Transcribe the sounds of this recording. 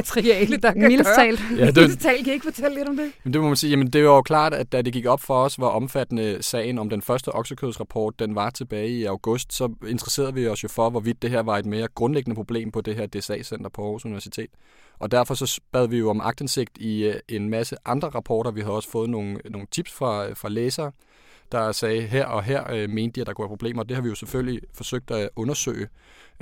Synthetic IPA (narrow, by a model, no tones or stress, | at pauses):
iɛilt͡sɛ̰ːljædet͡sʰɛ̰ːlkʰæeɡ̥fɒt͡sʰel̰leɾ̥ɒ̽md̥e̝mend̥e̝mɒmænsiːjæmənd̥e̝ʋɑ̈jo̝kʰlɑ̰̈ːd̥ædd̥æd̥e̝ɡ̥iɡ̥ɒ̽b̥fɒ̽ɒ̽sʋɑ̈ʔɒ̽mfæd̥ənəsɛ̰ːɪnɒ̽md̥enfɶɐsd̥əʔɒ̽ɡ̥səkʰøðˠsʁɑ̈pʰɒ̰ːd̥̚ːenʋɑ̈t͡sʰe̝b̥ɛːɪiɑ̈ʊɡ̥ɔ̽sd̥sɒ̽e̝nd̥ʰʁɐse̝̰ːɐðˠʋiɒ̽sjo̝fɒ̽ʋɒʋid̥̚ːe̝ɦeɐʋɑ̈e̝d̥me̝ːɐɡ̥ʁɔ̽nleɡ̥ənəpʰʁo̝b̥le̝̰ːmpʰɒ̽d̥e̝ɦeɐd̥e̝sɛ̰ːsen̰d̥ʁɐpʰɒ̽ɒ̰ːsuniʋæɐsi̥t͡sʰe̝̰ːd̥ | ʔɒ̽d̥æɐfɒ̽sɒ̽b̥æðˠʋijo̝ɒ̽mʔɑ̈ɡ̥d̥ense̝ɡ̥̚d̥ie̝nmæsəʔɑ̈nd̥ʁɐʁɑ̈pʰɒ̰ːɾ̥ɐʋihæðˠɒ̽sə̥fɔ̽ːð̞̩ˠno̝ːn̩no̝ːn̩t͡sʰib̥sfʁɑ̈fʁɑ̈leːsɐː | d̥ɑ̈sɛːɪɦeɐ̰ɒ̽ɦeɐ̰me̝ːnd̥iæd̥ɑkʰuʋæɐpʰʁo̝ble̝̰ːmɐːd̥e̝hɑ̈ʋijo̝seføl̰lifɒ̽søɡ̥̚d̥æʔɔ̽nɐsø̰ɪ